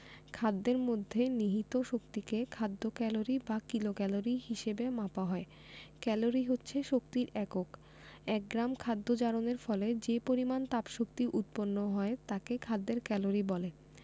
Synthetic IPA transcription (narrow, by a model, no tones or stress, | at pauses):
kʰad̪ːeɾmod̪ʱːeniɦit̪oʃok̚t̪ikekʰad̪ːokɛloɾibakilokɛloɾiɦiʃebemapaɦɔe | kɛloɾiɦotːɕʰeʃokt̪iɾɛkok | ɛk̚ɡɾamkʰad̪ːod͡ʑaɾoneɾfɔled͡ʑepoɾimant̪apʃok̚t̪iʔut̪̚ponːoɦɔet̪akekʰad̪ːeɾkɛloɾibɔle